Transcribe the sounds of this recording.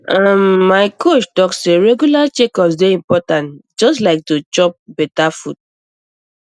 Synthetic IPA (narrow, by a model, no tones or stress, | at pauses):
ãmːaɪkʰot͡ʃtɔkseɹeɡjulat͡ʃekɔpsdeĩmpɔtãnt | d͡ʒɔstlaɪk̚tut͡ʃɔp̚bɛtafud̚